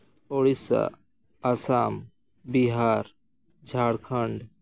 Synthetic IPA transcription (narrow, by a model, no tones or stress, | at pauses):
oɽisa̰ | ɐsaːm | biɦaːɾ | d͡ʒʱaːɽkʰəɳɖ